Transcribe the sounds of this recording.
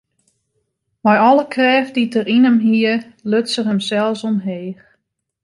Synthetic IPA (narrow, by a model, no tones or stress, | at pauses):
majɔlˠəkʰrɛːfditərinəmɦiəløtsərəmsɛlˠsɔnɦeːx